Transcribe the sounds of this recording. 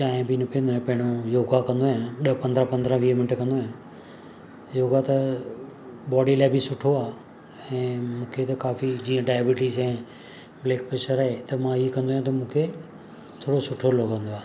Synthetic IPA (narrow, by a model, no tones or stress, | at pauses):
t͡ɕaːɦẽbʱɪnɐpijə̃nd̪oɦẽpɐ̃ɦɪɽ̃ojoːɡakɐ̃nd̪oɦjãɗɐpɐ̃nd̪ɾə̃pɐ̃nd̪ɾə̃ʋiːmɪnɪʈkɐ̃nd̪oɦẽ | joːɡat̪ɐ | ɓɔːɖilaːɪbʱɪsʊʈʰoaː | ɛ̃ːmũːkʰet̪ɐkaːfid͡ʑiːə̃ɖaːjbɪʈizɛ̃ː | bleːk̚pɾeːʃəɾaɦet̪ɐmãikɐ̃nd̪oajãt̪̬ɐmũːkʰe | t̪ʰoːɽosʊʈʰolokɐ̃nd̪oaː